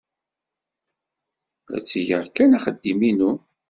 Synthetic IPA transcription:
læ̰t͡sːiʝəʁkːænaχəd̪ːiminu

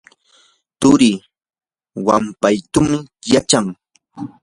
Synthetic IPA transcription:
t̪ʊɾiː | wampajt̪ʊmɪjat͡ʃaŋ

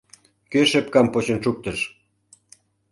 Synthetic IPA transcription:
køʃepkɑmpot͡ɕə̆nʃuk̚t̪ə̆ʃ

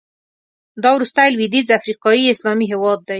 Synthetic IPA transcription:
d̪ɑwɾust̪ajlwid̪izafɾiqɑjiɪslɑmiɦɪwɑd̪̚ːa

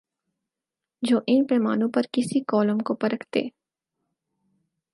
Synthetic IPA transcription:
d͡ʒoːʔɪnpɛːmaːnõpɐɾkɪsikɔːlə̃mkopɐɾəkʰt̪ḛː

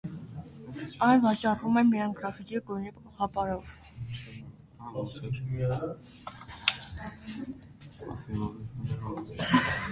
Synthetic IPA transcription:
ɑjlvɑt͡ʃɑrvumɛmiɑŋɡɾɑfikikɔnipəpɔχɑpɑɾɔv

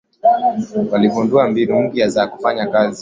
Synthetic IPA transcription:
walivunduambinum̩ɡiazaku̥faɲakazi

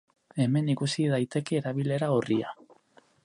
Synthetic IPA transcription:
e̞me̞nikusiðajt̪e̞ke̞ːɾaβ̞ile̞ɾaoria̰

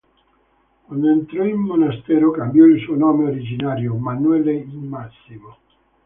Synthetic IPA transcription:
kwand̪ent̪ɾɔilmonast̪ɛːɾokambjɔilsuonɔːmeoɾid͡ʒinaːɾjomanuɛleimasːimo

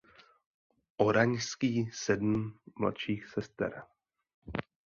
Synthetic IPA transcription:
ʔoɾaɲskiːsɛdm̩mla̰t̪ʃiːxsɛst̪ɛ̰ɾ

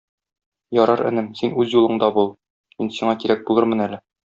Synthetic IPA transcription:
jɒɾɑɾɘ̆nɘmsinʉzjulˠɤ̆ɴd̪ɑbulˠ | minsiɴɑkiɾæk̚bulˠɤɾmɤ̆nælɘ

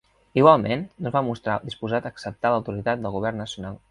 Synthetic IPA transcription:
iɣwalˠmennozβamust̪ɾad̪ispuzat̪əksəp̚t̪aləwt̪uɾit̪at̪̚d̪əlˠɣuβ̞ɛrnːəsiunalˠ

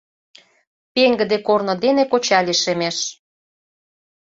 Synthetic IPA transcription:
peŋɡə̆d̪ekornŏd̪enekot͡ɕɑlʲiʃemeʃ

